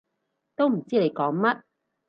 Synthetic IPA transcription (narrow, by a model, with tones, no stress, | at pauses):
t̪o˥wm̩˨˩t͡siː˥le˨˧jkɔː˨˥ŋmɐ˥t̚